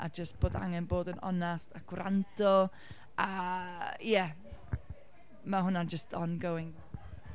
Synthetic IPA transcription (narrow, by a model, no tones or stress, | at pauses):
ʔa̰d͡ʒəst̚b̥oːda̰ŋɛnboːdənɔ̰nastaɡ̥wrandʰɔ | a | jɛ | maɦʊnad͡ʒəstʰɔnɡəwɪŋ